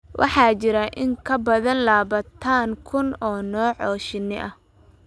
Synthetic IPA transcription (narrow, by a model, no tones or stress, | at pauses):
wʔɑ̰ħɑːt͡ʃɪɾɐʔɪŋkʰɐbɐðɐnlaːβɐt̪ʰaːŋkʰʊnɔːnɔːʕɔːʃɪnːɪʔɐh